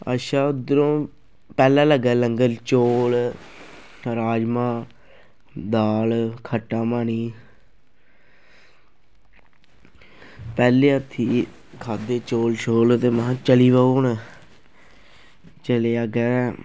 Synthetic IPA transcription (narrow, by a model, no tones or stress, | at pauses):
ə̰ʃaːʊd̪əɾõː | pɛːlaːləɡɛːləŋɡəlt͡ʃoːl | ɾaːd͡ʒmãː | d̪aːlkʰəʈːaːmaːniː | pɛːleːət̪ʰːiː | kʰaːd̪eːt͡ʃoːlʃoːlt̪eːmãːt͡ʃəliːʋəoːn | t͡ʃəleːaːɡɛː